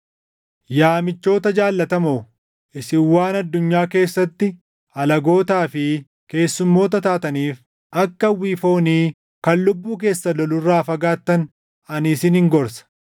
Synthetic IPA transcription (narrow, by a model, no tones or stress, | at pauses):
jaːmɪt͡ʃːo̞ːt̪ɐd͡ʒaːlːɐt̪ɐmo | ɪsɪwːaːnɐd̪ːʊɲːaːke̞ːsːɐt̪ːɪ | ɐlɐɡo̞ːt̪aːfɪ | ke̞ːsːʊmːo̞ːt̪̬ɐt̪aːt̪ɐniːf | ʔɐkːɐwiːfo̞ːniː | kɐlːʊbːuːk̬e̞ːsːɐlɔlʊrːaːfɐɡaːt̪ːɐn | ɐnɪsɪnhɪŋɡɔɾsɐ̥